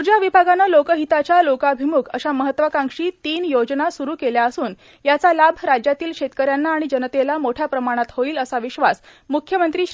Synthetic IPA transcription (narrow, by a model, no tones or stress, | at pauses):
uɾd͡ʑaʋibʱaɡanːalokəɦit̪at͡ɕjalokaəbʱimukʰə̰ɕaməɦət̪ːʋakaŋʂiːt̪iːnjod͡ʑnasuɾuːkeljaəsuːn | jat͡salabʱɾad͡ʑjat̪iːlkɕet̪kəɾjanːaːɽ̃id͡ʑənət̪elamoʈʰjapɾəmaɽ̃at̪hoiːləsaʋiɕʋas | mukʰjəmənt̪ɾiː